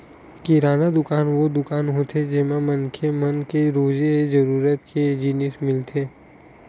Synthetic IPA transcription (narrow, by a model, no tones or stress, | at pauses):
kiɾaːnad̪ʊkaːnʋod̪ʊkaːnɦot̪ʰed͡ʒɪmamɐnkʰemɐnkeɾoːd͡ʒed͡ʒɐɾuːɾət̪kʰed͡ʒiːnɪsmɪlt̪ʰeː